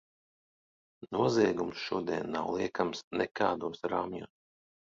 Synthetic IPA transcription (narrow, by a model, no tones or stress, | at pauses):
nuɔziɛɡumsʃuɔd̪iɛnːawlˠiɛkamsnɛkʰaːd̪uːsɾaːmɲuːs